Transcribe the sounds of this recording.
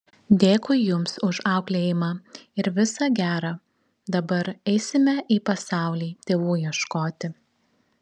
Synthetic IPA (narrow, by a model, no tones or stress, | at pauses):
d̪ʲeːkʊjjʊmsʊʃɑˑʊklʲeːjɪmɑːɪɾʋʲɪsɑɡʲæːɾɑː | d̪ɐbɐɾɛɪsʲɪmʲɛʔiːpɐsɑˑʊlʲiːt̪ʲeːʋuːjiɛʃkoːt̪ʲɪ